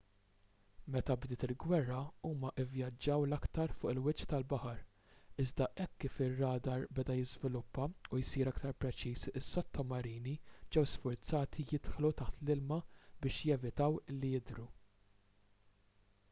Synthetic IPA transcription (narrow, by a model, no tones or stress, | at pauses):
mɛt̪ɐbd̪ɪːt̪ɪlɡwɛrːɐuːmɐʔɪvjɐd͡ʒːɐwlɐkt̪ɐɾfʊːʔɪlwɪt͡ʃːt̪ɐlbɐħɐɾ | ɪzd̪ɐʔɛkːiːfɪrːɐːd̪ɐɾbɛd̪ɐjɪzvɪlʊpːɐujsiːɾɐkt̪ɐɾpɾɛt͡ʃiːsɪsːɔt̪ʰːɔmɐɾiːnid͡ʒɛwsfʊɾt͡sɐːt̪ʰijɪt̪ħlut̪ɐħt̪lɪlmɐbɪːʃjɛvɪt̪ɐwɪlːijɪd̪ɾu